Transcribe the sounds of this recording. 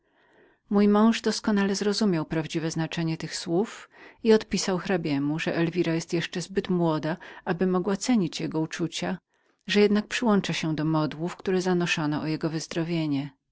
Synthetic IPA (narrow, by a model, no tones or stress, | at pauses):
mujmɔ̃w̃ʐd̪ɔskɔnalɛzɾɔzumʲjawpɾavd͡ʑivɛznat͡ʂɛɲɛt̪ɘxswufiɔt̪pʲisawxɾabʲjɛmuʐɛʔɛlvʲiɾajɛst̪jɛʂt͡ʂɛzbɘt̪mwɔd̪aʔabɘmɔɡwat̪sɛɲit͡ɕjɛɡɔut͡ʂut͡ɕa | ʐɛjɛd̪nak̚pʂɘwɔnt͡ʂaɕɛd̪ɔmɔd̪wufkt̪uɾɛzanɔʂɔnɔʔɔjɛɡɔvɘzd̪ɾɔvʲjeɲɛ